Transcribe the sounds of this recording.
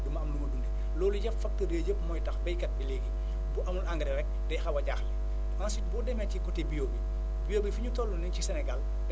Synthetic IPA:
dumɐɐmlumɐdundɛ | lɔːluɟɐffɐk̚tədeːjəpmɔjtɐxbɛjkɐt̚bileːɡi | buʔɐmulʔaŋɡɐɾɛɾɛk̚dɛjxɐwɐɟaxli | ɐnsitbɔdɛmɛcikɔtebijoːbi | bijoːbifiɲutɔlːunɛncisɛnɛɡɐl | d

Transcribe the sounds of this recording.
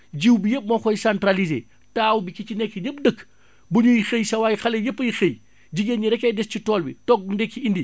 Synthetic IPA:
ɟiwbijəp̚mɐxɔjisantɾalizḛː | taːwbikit͡ʃinɛkːiɲəp̚dəkː | buɲujixəjsɐwajixɐlejəpːəjixəj | ɟiɡenɲiɾɛkːɛjdɛscitɔːlbitɔk̚ndɛkːiindi

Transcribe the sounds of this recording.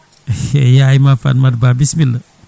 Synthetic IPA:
ejajmafa̰nmaɾbabismilə

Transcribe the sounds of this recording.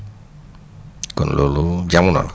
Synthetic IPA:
kunlolud͡ʒamunɔ̰

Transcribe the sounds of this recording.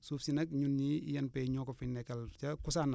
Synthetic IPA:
sufsinɐkɲunːiḭjɐnpɛɲɔkɔfinːɛkɐlt͡ʃɐkʊs̬ana

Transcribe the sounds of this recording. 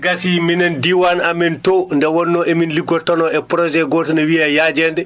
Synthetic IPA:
ɡasiminandiwanamɛntondɛwɔnːɔʔɛminliɡɔtɔnɔɛpɾɔd͡ʒɛɡɔːtɔnawiajad͡ʒɛndɛ

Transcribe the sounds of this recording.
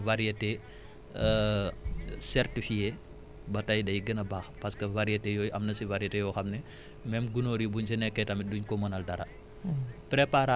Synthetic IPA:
ʋɐɾiɐte | sɛɾtifije | bɐtɐjdɐjɡɐnɐbaːxpɐskɐwɐɾijɐtejoːjʔɐmnɐsiʋɐɾɐtejɔxɐmnɛ | mɛmɡunoːɾibuɲsinɛkːɛtɐmiduɲkomɐnɐldɐɾɐ̰ | pɾepaɾa

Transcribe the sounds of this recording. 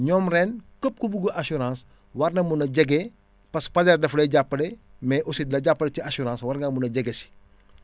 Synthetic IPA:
ɲɔːmrɛːnkop̚kubuɡoʔɐsuɾãːs | wɐrnɐmunɐɟɐɡɛ | pɐspɐlɛrdɐflɐɟapːɐlɛmɛʔɔsidlɐɟapːɐleciasuɾãːswɐɾŋɡɐmunɐɟɐɡɛsi̥

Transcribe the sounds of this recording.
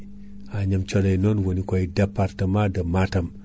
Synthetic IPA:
aɲamt͡ʃodainonwonikʷaidapaɾtamadɐmatɐm

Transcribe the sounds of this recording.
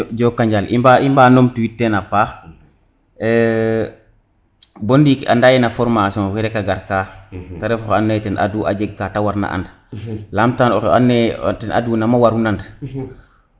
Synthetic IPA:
ɟɔːkːaɲɟalʔḭmbaimbaːnomtuwitːenapaːx | ɛ | bɔndika̰ndajɛnafɔɾmasiɔ̃kiɾɛkaɡaɾkataɾɛfɔxanːajtɛnʔa̰duːʔa̰d͡ʒeɡ̚katawaɾna̰ʔa̰nd | laːmtanɔ̰xa̰nːetɛnʔa̰duːnamawaɾunand

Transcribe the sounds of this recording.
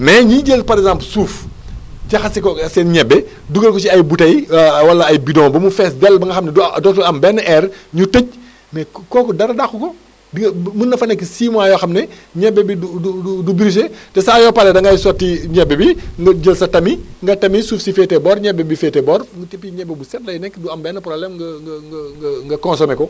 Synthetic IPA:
mɛɲiɟəlpɐɾɛkɡzãmplsuːf | ɟɐxɐsɛkɔsɛnɲɛbːɛ | duɡɐlkɔt͡ʃiɐjbutɐjwɐlɐɐjbidɔ̃ːbɐmufɛsdɛlːbɐŋɡɐxɐmnɛddɔtɐlɐmbɛnːʔɛrɲutəc̚ | mɛkɔːkɔdɐɾɐdaxukɔ | dimunːɐfɐnɛkːisiːmwaːjɔxɐmnɛ | ɲɛbːɛbiuduudubiɾis̬etɛsaːjɔːpɐlɛdɐŋɡɐjsɔtːiɲɛbɛbiŋɡɐɟəlsɐtɐmiŋɡɐtɐmisuːfsifɛːtɛbɔːɾɲɛbɛbifɛtɛbɔːrɡtepːiɲɛbɛbusɛtlɐjnɛkːduɐmbɛnːɐprɔblɛmɡɐŋŋɡɐŋɡɐŋɡɐkɔnsɔmɛkɔ

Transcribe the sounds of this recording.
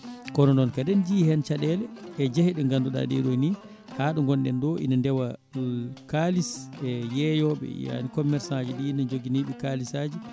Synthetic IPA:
kɔnɔnɔnkadɛnd͡ʒihɛnt͡ʃaɗɛlɛːd͡ʒahiɗɛŋɡanduɗa̰ɗɛ̰ɗɔjni | haːɗuŋɡɔnɗɛ̰ndɔʔḭnandɛwa | kalisɛjɛjɔɓɛ̰ja̰nikɔmːɛɾsad͡ʒiɗinad͡ʒoɡiniɓikalisaːd͡ʒi

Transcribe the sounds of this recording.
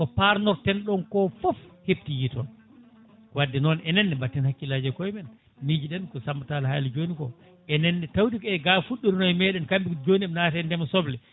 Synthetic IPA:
kɔpaɾnɔɾtɛnɗɔnkɔfɔfhebtijitɔn | wadːɛnɔnɛnɛnːɛbatːɛnhakːilad͡ʒɛkɔjmɛn | mid͡ʒiɗɛnkɔsambatalha̰ːlid͡ʒonikɔ | ʔɛnɛnːɛtawtikɛɡafuɗːiɾinɔɛmɛɗɛnkambikd͡ʒoniɛmnaːtɛndɛmasɔblɛ

